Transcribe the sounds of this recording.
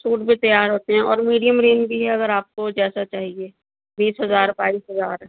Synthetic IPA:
suːʈbʱit̪ɐjaːɾɦoːt̪eɦɛ̃ʔɔːɾmiːɖijəmɾeːnd͡ʒbʱiɦɛɐɡəɾaːp̚kod͡ʒɛːsat͡ʃaːɦieː | biːsɦɐzaːɾbaːiːsɦɐzaːɾɛ

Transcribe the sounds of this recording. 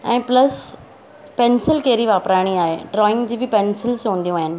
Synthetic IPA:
ɛ̰̃ːpləs | pensɪlkeːɾiʋaːpɾaːɽ̃iaːɦeɖɾɔːɪ̃ŋɡd͡ʑiːbʱɪpensɪlsõːnd̪ĩũaːɦɪnɪ̆

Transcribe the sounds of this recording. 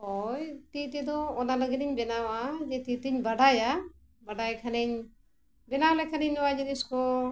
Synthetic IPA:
ɔjt̪it̪ɛd̪ɔɔnaləɡiniɲbɛnawad͡ʒɛt̪it̪iɲbaɖaja | baɖajkʰaniɲ | bɛnawlɛkʰaniɲnɔwad͡ʒiniskɔ

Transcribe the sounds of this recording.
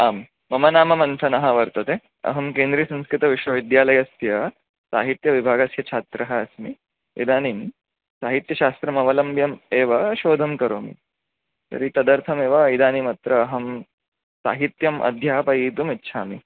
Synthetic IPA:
aːm | mɐmɐnaːmɐmɐnsʰɐnɐɦɐʋɐɾt̪ɐt̪e | ɐ̰ɦɐmkeːnd̪ɾiːsɐ̃ñskɾɪt̪ɐʋiʂʋɐʋid̪jaːlɐjɐst̪jɐ | sa̰ːɦit̪jɐʋibʱaːɡɐsjɐt͡ʃʰaːt̪ɾɐɦɐːsmi | ḭd̪aːnim | saːɦit̪jɐɕaːst̪ɾɐmɐʋɐlɐmbʱjɐmeːʋɐʃoːd̪ʱɐmkɐɾoːmḭ | t̪ɐ̰ɾit̪ɐd̪ɐɾt̪ʰɐmeːʋɐid̪aːnimɐt̪ɾɐːɦɐm | sa̰ːɦit̪jɐmʔɐ̰d̪ʱjaːpɐiːt̪umitːʃʰaːmi

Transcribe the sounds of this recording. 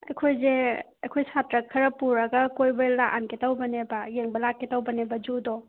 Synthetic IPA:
ɐjkʰojze | ɐjkʰojsatɾɐkʰɐɾɐpuɾɐɡɐkojbɐlaʔanketawbɐnebɐjeŋbɐlakːetawbɐnebɐd͡ʒudɔ

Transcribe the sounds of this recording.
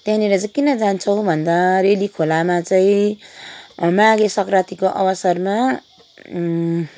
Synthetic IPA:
t̪jãneɾʌt͡sʌ̃kinʌd͡zant͡sʰʌw̃bʱʌnd̪aɾelikʰolamat͡saĩ | maɡesʌkrat̪ikoʔʌ̰bʌsʌrma

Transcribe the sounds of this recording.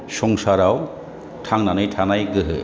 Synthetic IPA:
sɔŋsaɾaw | tʰaŋnanɯjtʰanajɡɯɦɯ̰

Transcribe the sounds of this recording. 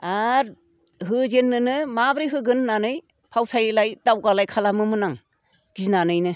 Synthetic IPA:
aɾ | ɦɯzenːɯnɯmabɾijɦɯɡɯnːanɯj | pʰawsʰajlajdawɡalajkʰalamɯmɯnaŋ | ɡ̥iznanɯjnɯ

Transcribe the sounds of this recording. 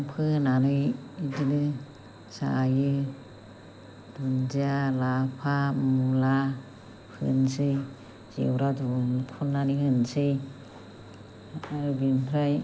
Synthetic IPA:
ŋpʰɯnanɯjidinɯ | sa̰jɯ | d̥und͡ʒialapʰamula | pʰɯnsɯj | z̥ḛwɾadunkʰunːanɯhɯnsɯj | aɾubinpʰɾaj

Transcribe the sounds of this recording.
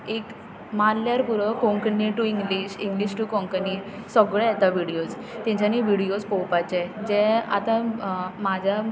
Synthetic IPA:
ek | manljaɾpuɾəkõŋkniʈuiŋɡliɕiŋɡliɕʈukɔŋkni | sɔɡɭɛɛt̪aʋiɽijod͡z | t̪jɛ̃ɲt͡ɕaniʋiɽijod͡zpɔwpat͡ɕɛd͡ʑɛ̃a̰t̪ãmad͡ʑʱa

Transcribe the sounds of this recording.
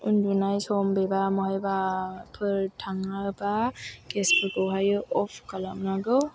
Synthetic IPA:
undunajsɔmbebamɔɦajbapʰɯɾtʰaŋabakespʰɯɡɔwɦajɯʔɔpʰkalamnaɡɯw

